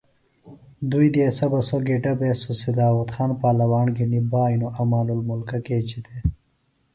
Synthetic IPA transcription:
d̪ujd̪eːsɐbɐsoɡeʈɐbeːsusid̪aːwɐt̪xaːnpaːlɐwaːɳɡinibaːjnuʔɐmaːlulmulkɐkeːt͡ɕit̪ʰe

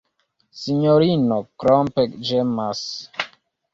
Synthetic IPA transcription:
siɲoɾinokɾɔmpɛkd͡ʒemas

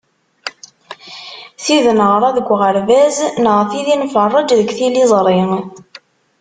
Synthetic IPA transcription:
θiðnəʁɾˤɑðəɡʷːʁəɾvæznəʁθiðinfərˤːɑd͡ʒðəɡʷθilizˤɾˤi

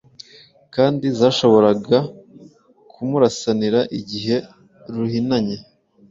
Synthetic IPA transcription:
kaːndizaːʃo̞βo̞ɾaɡa | kʰumuɾasaniɾaʔiɟiɦe̞ | ɾuhinaɲe

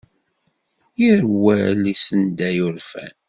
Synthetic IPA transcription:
jiɾwælisənd̪æjʊɾfæ̰n

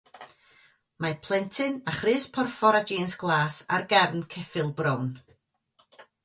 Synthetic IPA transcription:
mapʰlˠɛntʰɨnaχrɨːspʰɔrfɔɾad͡ʒiːnsɡ̥lˠaːsa̰rɡɛrnkʰɛfɪlˠbrɔwn

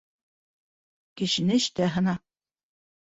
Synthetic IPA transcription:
kɘ̆ɕɘ̆nɘɘ̆ʃt̪æɦɤ̆nɑ

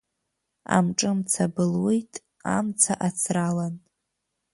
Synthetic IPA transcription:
a̰mʈ͡ʂʼɨmt͡sʰabɨlwejtʼ | a̰mt͡sʰaʔat͡sʰralan

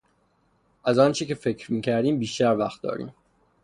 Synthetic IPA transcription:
ʔæzɒːnt͡ʃʰecefe̞cʰɾmiːcʰæɾd̪iːmbiːʃt̪æɾvæxt̪̚d̪ɒ̰ːɾḭːm

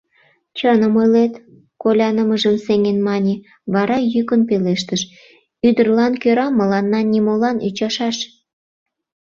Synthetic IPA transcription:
t͡ɕənəmojlet̪ | kolʲɑnəməʒəmseŋenmɑnʲe | βɑɾɑjykənpeleʃt̪əʃ | yd̪ərlɑnkøɾɑmːəlɑnːɑnʲimolɑny̰t͡ɕɑʃɑʃ

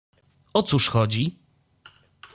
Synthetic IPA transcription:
ɔt̪suʂxɔd͡ʑi

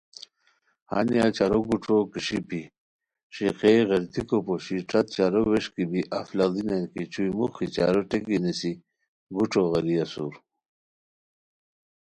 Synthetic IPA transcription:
ha̰nijat͡ɕaɾoɡuʈ͡ʂokiʂipi | ʂiqeɣɐɾt̪ikopoɕiʈ͡ʂɐt̪̚t͡ɕaɾoweʂkibiʔaflald̪inankit͡ɕujmuxit͡ɕa̰ɾoʈekinisi | ɡuʈ͡ʂoɣɐɾiasṵɾ

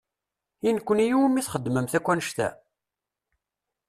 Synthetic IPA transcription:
inkʷːənijumiθχəd̪ːməmθækʷːænəʃt̪æ̰

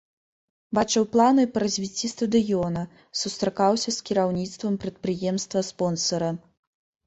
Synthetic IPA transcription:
bat͡ʂɨwplˠanɨpɐɾɐzʲvʲit͡sʲːist̪ɐd̪ɨjɔnɐ | sust̪ɾakawsʲɐskʲiɾawnʲit̪st̪vɐmpɾɐt̪̚pɾɨjɛmst̪vɐspɔnsɐɾɐ

